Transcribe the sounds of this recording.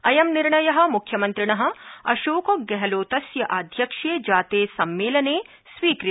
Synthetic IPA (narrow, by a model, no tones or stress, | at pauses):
ɐjɐmnɪɾɳɐjɐɦɐ̆mʊkʰːjɐmɐ̃nt̪ɾɪɳɐɦɐ̆ɐʃoːkoɡɛɦloːt̪ɐsjɐʔaːd̪ʱjɐkʂeːd͡ʒaːt̪eːsɐmːeːlɐneː | sʋiːkɾɪ